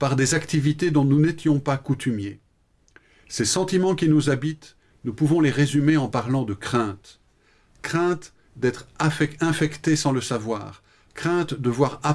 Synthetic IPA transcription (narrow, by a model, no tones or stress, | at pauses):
paʁd̪ezakt̪ivit̪ed̪ɔ̃nunet̪jɔ̃pakut̪ʰymje | sesɑ̃t̪imɑ̃kʲinuzabit̪ | nupuvɔ̃leʁezymeɑ̃paʁlɑ̃d̪əkχɛ̃t̪ | kχɛ̃t̪ | d̪ɛt̪χafɛɛ̃fɛkt̪esɑ̃ləsavwa̰ːʁ | kχɛ̃t̪d̪əvwaʁa